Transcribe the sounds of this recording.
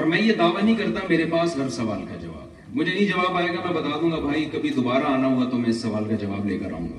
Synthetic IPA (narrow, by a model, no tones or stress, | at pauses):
ɔɾmɛ̃ːjed̪aːʋanɐɦĩkɐɾt̪ameːɾepaːsɦɐɾsɐʋaːlkad͡ʒɐʋa̰ːb | mʊd͡ʒʱenɐĩd͡ʒɐʋaːbaːeːɡamɛ̃bɐt̪aːd̪ũːŋɡabʱaːikɐbʱid̪obaːɾaaːnaɦuat̪omɛ̃ɪsːɐʋaːlkad͡ʒɐʋaːblḛːkəɾa̰ɦũːɡa̰ː